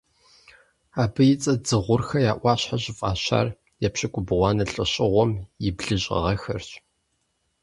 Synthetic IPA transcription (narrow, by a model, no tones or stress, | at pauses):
aːbɨjɪt͡sʼɐd͡zɨʁʷʊrxɐjaːʔʷɑːɕħaʑʼɪfʼa̰ːɕa̰ːr | jɛpɕɪkʷʼʊbʁʷɑːnɐɬʼɨ̰ɕʼɪʁʷɔmjɪbɮɨɕʼɐ̰ʁɐxɐrɕʼ